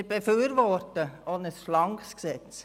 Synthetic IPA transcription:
əbefyːɾʋɔrtəonəsflɑŋksksɛt͡s

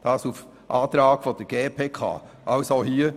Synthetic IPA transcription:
d̥ɑːsuf | ʔɑːt̪ɾɑːɡ̥fɔd̥əɡ̥eːpʰeːkʰɑ̰ː | ʔɑʊsoʊɦiː

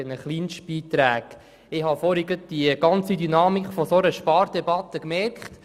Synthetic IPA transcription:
ənəχliːnʃb̥iːt̪ɾæːɡ̥ | ɪhɑfɔɾiɡət̚d̥iəɡɑnt͡sidynɑːmikfɔsoɾəʃpɑːɾd̥ɛbɑt̪əkmɛrkχt

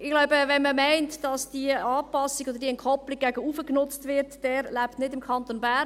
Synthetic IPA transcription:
ɪɡlaʊbəvɛnməmɛɪntd̥ɑsd̥iəɑːpɑsiɡ̥od̪əɾd̥iɛnkʰɔplɪɡ̚ɡ̥æɡəuːfəknʊt͡stvɪɾtd̥ɛːɾlæptnɪdɪmkʰɑntonbæ

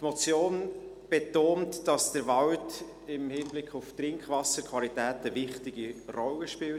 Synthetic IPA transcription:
tmɔt͡sjoːn | b̥ɛtoːntd̥ɑsd̥əɾvɑwt | ɪmhɪnblɪkχʊftrɪŋkχvɑsəɾkʰvɑlitɛːtəvɪχtɪɡ̥irɔlːəʃpɪl

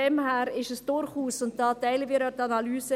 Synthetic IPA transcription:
ɛmhæːɾɪʃəsd̥ʊɾχuːsʊnt̚d̥ɑːtɛɪlənviːɾœtɑnalyːsə

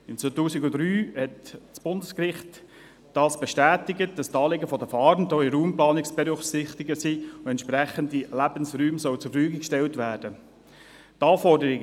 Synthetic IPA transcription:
ɪmt͡sʋotuːsɪɡʊd̥ɾyːhɛtt͡sb̥ʊndəskrɪχt | d̥ɑːsb̥ɛʃtæːtɪɡət̚d̥ɑstɑːleɡəfɔdəfɑːɾndɔiɾuːmplɑːnɪksb̥ɛɾʏχsɪχtɪɡəsiːʊɛntʃpɾæχəndilæbənsɾyːmsœwt͡sufyːɡɪkʃtɛltʋæːɾd̥ə | tɑːfɔɾdəɾɪ

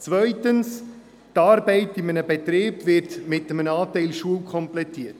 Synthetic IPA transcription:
t͡svœʏtəns | tɑːɾbɛɪtɪmənəbɛtɾeːbʋɪtmɪtːəmənɑːtɛɪlʃuəlkʰɔmplɛtiːət

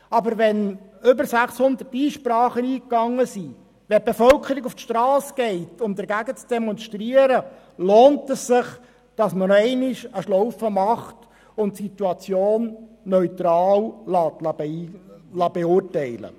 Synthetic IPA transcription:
ɑbəɾʋɛnʏbəɾsæχshʊnd̪ətiːʃpɾɑːχəniːkːɑŋːəsi | ʋɛb̥efœlkʰəɾiɡuftʃtɾɑːsɡ̥ɛɪtʊmd̪əɾɡæɡət͡sd̥eɛmɔnʃtɾiəɾə | loːntɛssɪχ | d̥ɑsmənɛɪnɪʃəʃlɔwfəmɑχt | ʊntsit̪uɑt͡sjoːnː | œʏt̪ɾɑːllɑːtlɑb | lɑb̥eʊrtɛɪlə̰

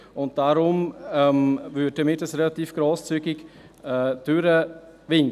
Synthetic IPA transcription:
ʊnt̚d̥aɾʊmɛmvʏt̚d̥əmɪtəsrɛlatiːfɡ̥ɾoːst͡syːɡɪɡ | ɛd̥øɾəvɪn

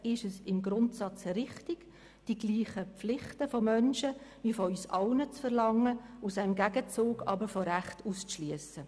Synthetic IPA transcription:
ɪʃəsɪmɡɾʊntsɑt͡sɾɪχtɪɡ̥ | d̥iɡ̥liːχəpp͡flɪχtəfɔmœnʃəʋifɔysɑʊnət͡sfəɾlɑŋːəusaɪmɡæɡət͡suːɡɑ̰bəɾfɔɾæχtuːst͡sʃlyəsə

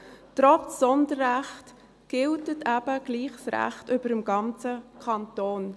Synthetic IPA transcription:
t̪ɾɔt͡ssɔndəɾʁæχt | ɡ̥ɪltətʰæb̥əɡ̥liːχsɾæ̰χtʏb̥əɾəmɡɑnt͡səkʰɑntoːn

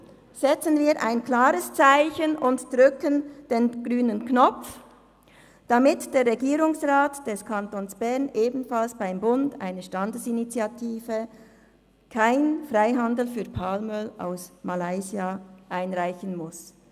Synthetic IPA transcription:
z̥ɛt͡sənviːɾʔaɪnkl̥aːʁəst͡saɪçənʊntd̥ʁʏkənd̥eːnɡ̥ʁyːnənknɔp͡f | d̥amɪtd̥eːʁʁɛɡiːɾʊŋsʁaːtd̥ɛskʰantoːnsb̥ɛʁnʔeːbn̩falsb̥aɪmbʊnda̰ɪnəʃtandəsinit͡sjatʰiːvə | kʰaɪnfʁaɪɦɑndl̩fyːɐpʰalmœla̰ʊsmalaɪziaʔaɪnʁaɪçənmʊs

